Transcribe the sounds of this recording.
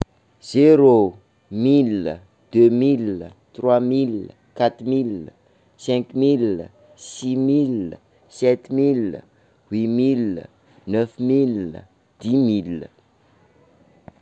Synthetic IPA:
z̥eɾo | milə | d̪̥ømilt̪rwamil | kat̪milə | sɛ̃kmilə | simil | sɛt̪milə̰ | wimil̰ | nœfmil̰ | d̪̥imilə̰

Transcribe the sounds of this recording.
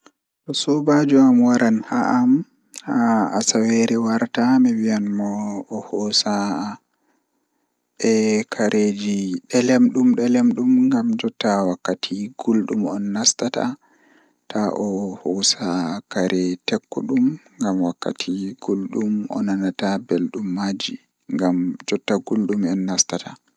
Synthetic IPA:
tɔsɔbad͡ʒuamwaɾanhaʔam | aasaweɾɛwaɾtamɛwijanmɔːhɔsa | ɛkʰaɾʔed͡ʒiɗɛlɛmɗumɗɛlɛmɗumŋɡamd͡ʒɔtawakːatʰiɡ̥ulɗumɔnːastata̰ | tʰaʔɔhɔsakaɾɛtɛkːɔɗumŋɡamwakːa̰tʰiɡ̥ulɗumɔ̰nanatabɛlɗumːad͡ʒi | ŋɡamd͡ʒɔtːaɡulɗumɛnːastatʰa

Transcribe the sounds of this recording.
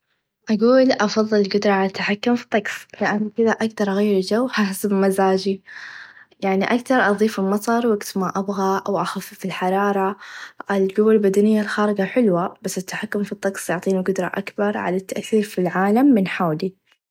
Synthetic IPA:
ʔaɡuːlʔɑfɑðˤːɨlɪlɡʊd̪ɾˤɑʕalat̪ʰːaħakːʊmfi̥t̪ˤːɑɡsˤlɪʔanːkɪðaʔakt̪ɑɾˤɣejːɾd͡ʒawːhaħsabmazaːd͡ʒi | jaʕniʔakt̪ɑɾˤʔɑðˤiːfɪlmɑt̪ˤɑɾˤwaɡt̪maʔabɣaʔawʔaxafːifilħɑɾˤɑːɾˤɑʔɪlɡʊwːalbad̪anɪjːalxaːɾɪɡaħɪlwab̥asːɪt̪ːḁħakːʊmfit̪ˤːɑɡsˤjʊʕt̪ˤiːnaɡʊd̪ɾˤɑ̰ʔa̰kbɑɾˤʕa̰lat̪ːaʔθiːɾfilʕaːlamːɪnħawli

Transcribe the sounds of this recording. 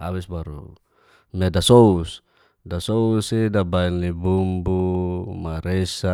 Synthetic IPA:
a̰βisbaɾṵ | mɛdasous | dasousidabaɛnlibumbumaɾesa

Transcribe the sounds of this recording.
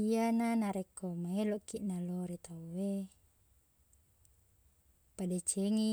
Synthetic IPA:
iananaɾɛkɔmaelɔkiʔnalɔɾit̪auwe | padɛt͡ʃɛŋi

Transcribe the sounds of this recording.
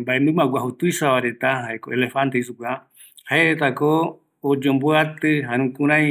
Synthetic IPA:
mbaẽmbɨmaɡʷaɦut̪ujsaβaɾe̞t̪ahaekoelefant̪eisuka | haeʔet̪akoː | d͡ʒõmbuat̪ɨɦaɾ̃ũkũɾ̃ã

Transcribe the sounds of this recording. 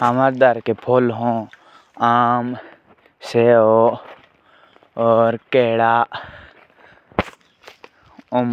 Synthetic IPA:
əmaɾd̪əɾkepʰoːlɦõ | aːm | seo | ɔːɾkeːɽa | ʊm

